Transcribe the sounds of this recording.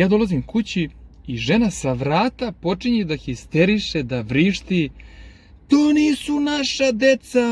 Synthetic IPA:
jaːd̪o̞lazimkut͡ɕiiʒe̞nasaʋɾaːt̪apo̞t͡ʂiɲed̪axist̪eɾiʃed̪aʋɾiʃt̪i | t̪oːniːsunaʃad̪et̪sa

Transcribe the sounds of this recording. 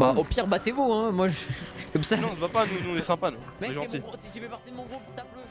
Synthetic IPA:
baopiʁbat̪evoɛ̃mwaʒkɔmsanɔ̃vapanunũnesɛ̃pañmɛeʒɑ̃iʁʒəfɛpaʁt̪id̪əmɔ̃ɡʁupt̪ablo

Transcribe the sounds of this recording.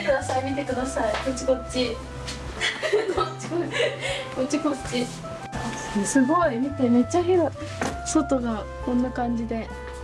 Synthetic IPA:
ekɯd̪asaimʲit̪e̞kɯ̟d̪asaikot͡ɕikot͡ɕi | ot͡ɕio | ot͡ɕikot͡ɕi | sesɨɡo̞imʲit̪eme̞t͡ɕːaçiɾo | sot̪o̞ɡa | kõ̞nːakãɲ̟d͡ʑid̪e̞

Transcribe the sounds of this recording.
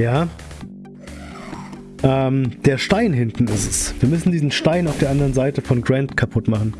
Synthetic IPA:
jaː | ʔɛːmd̥eːɐʃtaɪnɦɪntn̩ɪstɛsv̥iːɐmʏsn̩diːzn̩ʃtaɪnaʊfd̥eːɐandəʁ̞ənzaɪtəfɔnɡʁɛntkʰapʰʊtmaχn̩

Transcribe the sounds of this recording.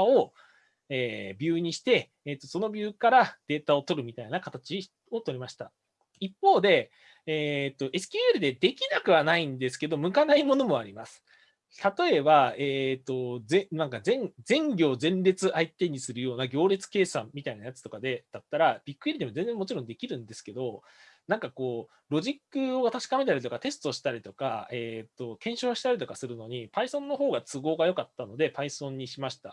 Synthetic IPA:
ao̞ | eːbʲjɨ̟ːɲ̟iɕi̥t̪e̞ː | t̪ːo̞so̞no̞bʲɨːkaɾad̪̥e̞ːt̪ao̞t̪o̞ɾɯ̟mʲit̪ainakat̪at͡ɕi | o̞t̪o̞ɾʲimaɕi̥t̪a | ipːo̞ːd̪e̞ | eːt̪ːo̞ʔe̞sɨ̥kʲɨːeɾɯ̟d̪e̞d̪e̞kʲinakɯ̟βanaĩnd̪e̞sɨ̥ke̞d̪o̞mɯ̟kanaimo̞no̞mo̞aɾʲimasɨ̥ | t̪at̪o̞e̞baeːt̪ːo̞zenãŋkazẽ̞ŋd͡zẽ̞ŋɡʲo̞ːzẽ̞nɾe̞t͡sɨʔait̪e̞ɲ̟isɨɾɯ̟jo̞ːnaɡʲo̞ːɾe̞t͡sɨ̥ke̞ːsã̰mːʲit̪ainajat͡sɨ̥t̪o̞kad̪e̞d̪̥at̪ːaɾab̥ʲikːɯ̟ɾʲid̪emo̞zẽ̞nd͡zẽmːo̞t͡ɕiɾond̪e̞kʲiɾɯ̟̃nd̪e̞sɨ̥ke̞d̪o̞ | nãŋkako̞ː | ɾo̞ʑikːɯ̟o̞t̪aɕi̥kame̞t̪aɾit̪o̞kat̪e̞s̬t̪oɕi̥t̪aɾʲit̪o̞kae̞t̪ːo̞kẽ̞ɰ̃ɕo̞ːɕi̥t̪aɾʲit̪o̞kasɨɾɯ̟no̞ɲ̟ipaisõ̞nːo̞ɦo̞ːɡat͡sɨɡo̞ːɡajo̞kat̪ːano̞d̪e̞paisõ̞ɲ̟ːiɕimaɕi̥t̪a

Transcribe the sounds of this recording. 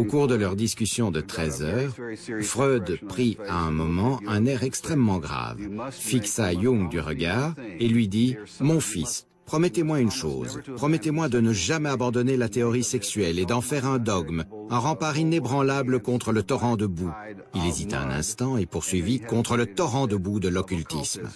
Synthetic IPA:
okuʁd̪əlœʁd̪iskʲysjɔ̃d̪ət̪χɛzœːʁfʁød̪pχiaɛ̃mɔmɑ̃ɛ̃nɛʁɛkst̪χɛmːɑ̃ɡʁa̰vfiksajuŋd̪yʁəɡaːʁelɥid̪imɔ̃fḭs | pχɔmɛt̪emwaynʃo̰ːzpχɔmɛt̪emwad̪ənəʒamɛabɑ̃d̪ɔnelat̪eɔʁisɛksɥɛled̪ɑ̃fɛʁɛ̃d̪ɔɡmɛ̃ʁɑ̃paʁinebʁɑ̃labləkɔ̃t̪χələt̪ɔʁɑ̃d̪əbu | ilezit̪aɛ̰̃nɛ̰̃st̪ɑ̃epuʁsɥivikɔ̃t̪χələt̪ɔʁɑ̃d̪əbud̪əlɔkʲylt̪ism

